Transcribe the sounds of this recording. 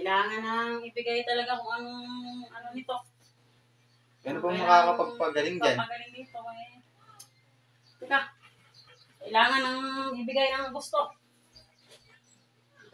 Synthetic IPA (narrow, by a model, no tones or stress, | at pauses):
kɐjlaːŋɐnɐŋɪbɪɡajt̪ɐlɐɡakʊŋɐŋoŋɐno̞nɪt̪o̞ | ɡɐnobɐŋmɐkaːkɐpɐɡ̚pɐɡɐlɪŋanpɐɡɐlɪŋnɪŋt̪oɛj | ʊka | kɐjlaːŋɐnɐŋɪbɪɡajnɐŋɡʊst̪o̞